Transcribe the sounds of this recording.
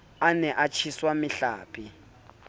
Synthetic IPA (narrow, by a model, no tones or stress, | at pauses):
anɛʔat͡ʃʰiswamɪɬa̰ːpʼi